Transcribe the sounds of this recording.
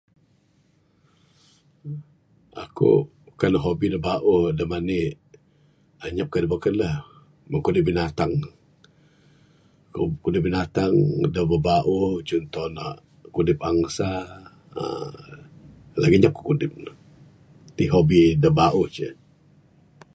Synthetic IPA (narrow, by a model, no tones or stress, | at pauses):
ʔa̰kṵ | kanəɦobidəbaʔuhdəmanɪʔ | aɲap̚kadəbəkələh | məkudɪp̚binat̪aŋ | kukudɪp̚binat̪aŋdəbəbaʔuht͡ʃɔnt̪ɔna̰ʔ | kudɪpaŋsa | ə̰ | laɡiɲap̚kḁkudɪp̚n | t̪iɦobidəbaʔuht͡ʃə̰